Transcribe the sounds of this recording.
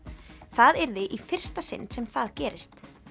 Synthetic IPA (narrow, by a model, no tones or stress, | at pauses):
θaðɛɾðɪʔifɪr̥st̪asɪ̰nːsɛmθaðcɛːɾɪst̪